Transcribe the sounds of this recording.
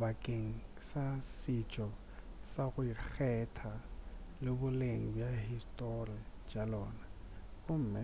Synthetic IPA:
bakʼeŋ̩sasɪt͡ʃʼɔ | saɣʊik͡xʰɛtʰalɪbʊleŋ̩bjaɦistʼoriad͡ʒʼalɔːna | kʊm̩ːmɛ

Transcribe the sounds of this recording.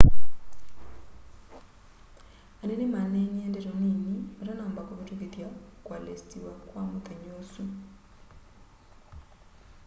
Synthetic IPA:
anenimanenendeɾoninimaɾanaːmbakoβatukeðjakwalestiwakwamuteɲosu

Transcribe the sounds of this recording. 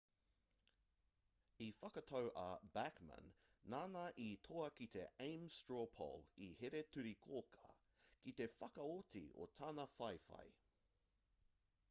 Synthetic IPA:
ifɐkɐt̪ʰowʔɐbækmɐ̰̃nːaːnɐʔit̪ʰoɐkit̪ʰeẽɪmstɹopʰo̰liheɾet̪ʰʉɾikʰoːkʰɐ̥̰ | kit̪e̞fɐkɐot̪ʰḭo̰t̪ʰaːnɐfɐjfɐ̰j

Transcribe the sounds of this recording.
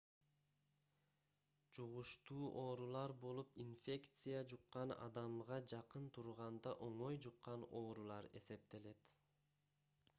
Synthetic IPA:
d͡ʒuʁuʃt̪uːʔo̞ːɾulˠɑɾbo̞lˠupinfʲe̞kt̪sɨjad͡ʒuqːɑnɑ̰d̪ɑmʁɑd͡ʒɑqɯnt̪ʰuɾʁɑnd̪ɑʔo̞ɴo̞jd͡ʒuqːɑno̞ːɾulˠɑɾe̞̰se̞p̚t̪e̞le̞t̪

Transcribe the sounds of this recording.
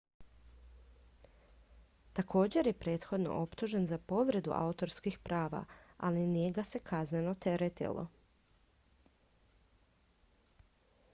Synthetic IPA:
t̪akʰo̞ːd͡ʑe̞ɾje̞pɾe̞ːt̪xo̞d̪no̰ʔo̞pt̪uʒe̞nzapo̞ʋɾe̞d̪ṵʔa̰ut̪o̞ɾskixpɾaːʋa̰alinijeɡase̞kʰazne̞no̞t̪e̞ɾet̪ḭlo̞̰

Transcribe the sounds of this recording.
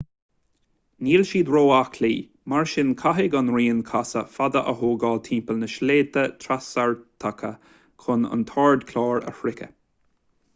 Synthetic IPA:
niːlʃiːd̪ɾoːakʰliː | maɹʃɪnkʰaɦɪɡanɹiːnkʰasəfad̪əʔəɦoːɡɑːlt̪ʰĩːmpəlnəʃleːt̪ət̪ʰɾasaɹt̪ʰakʰə | kʰʊnə̰nt̪ʰɑːɹd̪kʰlɑːɹə̰fɾɪkʰə̰

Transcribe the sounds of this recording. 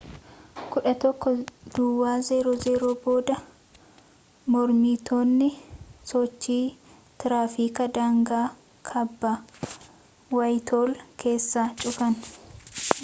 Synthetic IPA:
kʊᶑɐt̪ɔkːɔd̪̥ʊwːaːzeːɾoːzeːɾoːbo̞ːd̪ɐ | mɔɾmiːt̪oːnːɪsɔt͡ʃːiː | t̪ɪɾaːfiːkɐd̪aːŋɡaː | kʰɐbːɐ | wɐjt̪ʰo̞ːlke̞ːsːaːt͡ʃʼʊfɐn

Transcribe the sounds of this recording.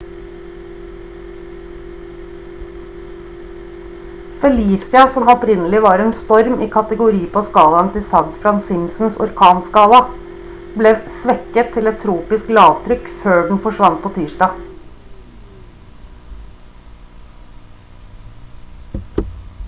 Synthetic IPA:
fɛliːsɪɑsɔmɔpɾɪnəlɪʋɑːɾɛːnst̪ɔɾmiːkʰɑt̪əɡʊɾiːpʰoːskɑːlɑnt̪ɪsɑŋt̪fɾɑnsɪmsn̩sɔ̰ɾkʰɑːnskɑːlɑ | bleːsʋɛkət̪ʰːɪlɛt̪ʰɾuːpɪsklɑːʋt̪ʰɾʏkføːɖɳn̩fɔʃʋɑnt̪̚pʰoːt̪ʰiːʃɖɑː

